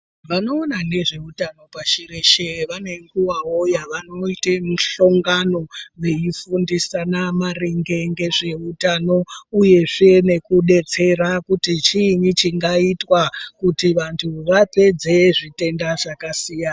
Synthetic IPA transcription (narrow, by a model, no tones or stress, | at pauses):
ʋano̞ːnane̞ʐe̞utano̞paʃiɾeʃeʋane̞ŋɡuʋawojaʋano̞itemuɬoŋɡano̞ʋe̞ifundisanamareŋɡe̞ŋɡe̞ʐe̞utano̞uje̞ʐeene̞kuɗe̞t͡se̞rakutit͡ʃinit͡ʃiŋɡaitwakutiʋantʰuʋape̞d͡ze̞ʐite̞ndaʐakasijan